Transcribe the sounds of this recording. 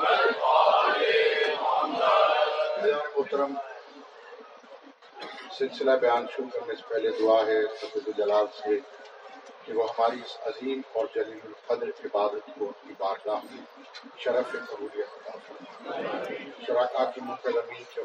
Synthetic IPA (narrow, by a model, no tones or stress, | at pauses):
ɐd͡ʒaːnemʊɦt̪əɾəm | sɪlsɪlabɐjaːnʃʊɾukɐɾnese̥pɛɦled̪ʊaːɦɛsɐfəd̪ed͡ʒɐlaːzse | keʋoxaːɾɪsɐziːmɔːɾd͡ʒɐliːlfɐd̪ɾɪbaːd̪ət̪koːnkibaːɾlaː | ʃɐɾəfesɐɦuːɾijət̪ɐt̪aːfɐɾa | ʃɐɾaːkaːt̪imʊkɐlːɐmiːnke